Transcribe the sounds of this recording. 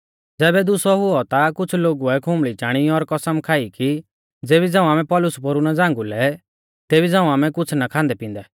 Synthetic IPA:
d͡zɛːbɛd̪ʊsɔɦʊɔt̪akʊt͡sʰloːɡuɛkʰʊmɭit͡ʃaːɽ̃iɔɾkɐsəmkʰaːiki | d͡zeːβid͡zãːũaːmɛ̃pɔːlʊspoɾunad͡zãːŋ̆ɡulɛ | t̪eːbid͡zãːũaːmɛkʊt͡sʰnakʰãːnd̪ɛpĩːnd̪ɛ

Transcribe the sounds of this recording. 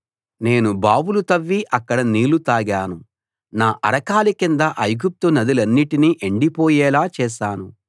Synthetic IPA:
ne̞ːnubaːbulut̪ɐʋːiʔɐkːɐɽɐniːlut̪aːɡaːnu | naːʔɐɾɐkaːlikind̪ɐʔɐjɡup̚t̪unɐd̪ilɐnːiʈiniʔeɳɖipoːjɛːlaːt͡ʃɛːʃaːnu

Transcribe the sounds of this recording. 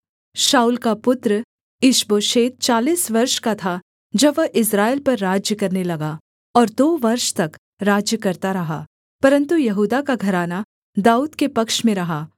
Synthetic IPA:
ʃaːuːlkapʊt̪ɾə | ɪʃboːʃeːt̪̚t͡ʃaːliːsʋɐɾʃkat̪ʰa | d͡ʒɐbʋɐʔɪs̬ɾaːelpɐɾːaːd͡ʒjəkɐɾnelɐɡa | ɔːɾd̪oːʋɐɾʃt̪ɐk | ɾaːd͡ʒjəkɐɾt̪aɾɐɦaː | pɐɾə̃nt̪ujɐɦuːd̪akaɡʱɐɾaːna | d̪aːuːd̪kepɐkʃmẽɾɐɦaː

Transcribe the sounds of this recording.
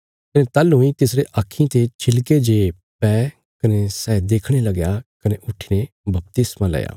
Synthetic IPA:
kɐnet̪ɐlɦʊ̃ĩt̪ɪs̬ɾeʔakʰːĩt̪et͡ʃʰɪlked͡ʒeː | pɛː | kɐnesɛːd̪eːkʰɽ̃elɐɡjakɐneʔʊʈʰːine | bɐp̚t̪ɪsmãlɛ̰ja̰ː

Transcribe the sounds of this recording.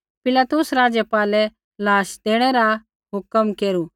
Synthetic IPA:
pɪlaːt̪ʊsɾaːd͡ʒjəpaːlɛ | laːʃd̪eːɽ̃ɛɾa | ɦʊkəmkeːɾu

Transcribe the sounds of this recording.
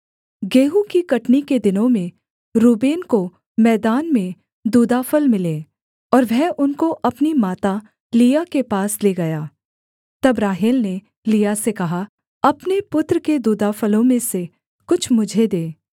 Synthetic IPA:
ɡeːɦukikɐʈniked̪ɪnõmẽ | ɾuːbeːnko | mɛːd̪aːnmẽ | d̪uːd̪aːfəlmɪleː | ɔːɾʋɛɦʊnkoʔɐpnimaːt̪a | lijakepaːsleːɡɐjaː | t̪ɐbɾaːɦɪlne | lijasekɐɦa | ɐpnepʊt̪ɾəked̪uːd̪aːfəlõmẽse | kʊt͡ʃʰmʊd͡ʒʱed̪eː

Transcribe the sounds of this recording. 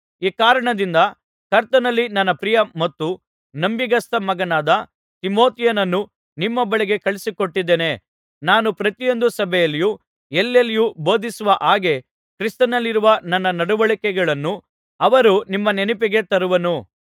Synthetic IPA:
iːkaːɾɐɳɐd̪ind̪ɐ | kɐɾt̪ɐnɐlːinɐnːɐpɾijɐmɐt̪ːu | nɐmbiɡɐst̪ɐmɐɡɐnaːd̪ɐ | t̪imo̞ːt̪ijɐnɐnːu | nimːɐbɐɭiɡe̞kɐɭisiko̞ʈːid̪ːeːne | naːnupɾɐt̪ijo̞nd̪usɐbʱɛjɐlːiju | elːelːijubo̞ːd̪isuʋɐʔaːɡe̞ | kɾist̪ɐnɐlːiɾuʋɐnɐnːɐnɐɽuʋɐɭikɛɡɐɭɐnːu | ɐʋɐɾunimːɐnenipiɡe̞t̪ɐɾuʋɐnu

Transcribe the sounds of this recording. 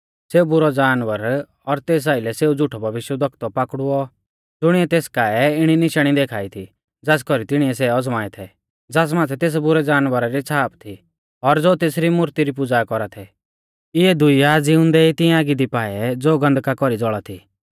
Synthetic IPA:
seːubʊɾɔd͡zaːnʋəɾ | ɔɾt̪eːs̬aːɪlɛseːud͡zʊʈʰɔbʱɐʋɪʃjəd̪ʱɐkʰt̪ɔpaːkɽʊɔ | d͡zʊɽ̃iɛt̪eːskaːɛɪɽ̃inɪʃɽ̃id̪eːkʰaːit̪ʰi | d͡zaːs̬kɔɾit̪ɪɽ̃iɛs̬ɛɔd͡zmaːɛt̪ʰɛ | d͡zaːs̬maːt̪ʰɛt̪eːs̬bʊɾɛd͡zaːnʋəɾaɾit͡sʰaːpt̪ʰi | ɔɾd͡zoːt̪eːsɾimʊɾt̪iɾip̬ʊd͡zakɔɾat̪ʰɛ | ɪɛd̪ʊiad͡ziʊ̃nd̪ɛit̪ɪ̃aːɡid̪ipaːɛd͡zoːɡɐ̃nd̪kakɔɾid͡zɔɭat̪ʰḭː

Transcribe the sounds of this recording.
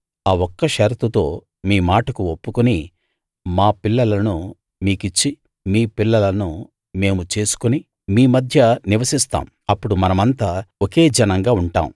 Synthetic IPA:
aːwɔkːɐʃɐɾt̪ut̪o̞ː | miːmaːʈɐkuopːukuni | maːpilːɐlɐnu | miːkit͡ʃːi | miːpilːɐlɐnu | me̞ːmut͡ʃe̞ːsu̥kuni | miːmɐd̪ʱjɐniʋɐsist̪a̰ːm | ɐpːuɽumɐnɐmɐnt̪aːoke̞ːd͡ʒɐnɐŋɡaːuɳʈa̰ːm

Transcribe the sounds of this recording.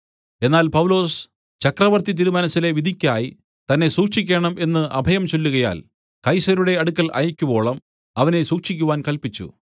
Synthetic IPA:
e̞nːaːlpɐwlo̞ːs | t͡ɕɐkrɐʋɐrt̪it̪̬iɾumɐnɐsːile̞ʋid̪ʱikʲːaːji | t̪ɐnːe̞suːkʂikʲːe̞ːɳɐme̞nːɨʔɐbʱɐjɐmt͡ɕo̞lːuɣɐja̰ːl | kɐjsɐɾuɽe̞ɐɽukːɐlʔɐ̰jɐkʲːubo̞ːɭɐm | ɐʋɐne̞suːkʂikʲːuʋaːnkɐlpit͡ɕːṵ

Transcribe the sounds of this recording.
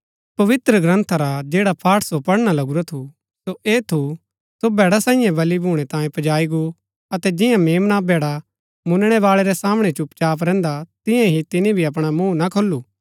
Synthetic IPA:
pɐʋɪt̪ɾəɡɾə̃nt̪ʰaɾad͡ʒeːɽapʰaːʈʰsopɐɽñalɐɡuɾat̪ʰu | soʔeːt̪ʰu | sobɛːɽasãːɪ̃jãbɐlibʱuːɽ̃ɛt̪ãːjẽpɐd͡ʒaːiɡu | ɐt̪ɛd͡ʒɪjãmeːmnabʱɛːɽa | mʊnɽ̃ɛʋaːɭɛɾɛsaːmɽ̃ɛt͡ʃʊpt͡ʃaːp̬ɾɛ̃ːnd̪at̪ɪ̃jãɦit̪ɪnĩbʱiɐp̬ɽ̃amũːnakʰolːuː

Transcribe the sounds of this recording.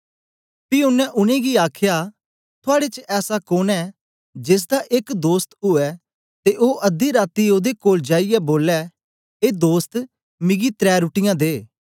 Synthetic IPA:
piʊnːɛ̃ʔʊnẽːɡiaːkʰja | t̪ʰʊaːɽet͡ʃəɛːsakoːnɛː | d͡ʒɪs̬d̪aʔɪkd̪oːst̪ʊɛː | t̪eʔoːʔɐd̪iɾaːt̪ioːd̪ekoːld͡ʒaːijɛboːlɛ | eːd̪oːst̪ | mɪ̃ɡit̪ɾɛːɾʊʈɪjãːd̪eː

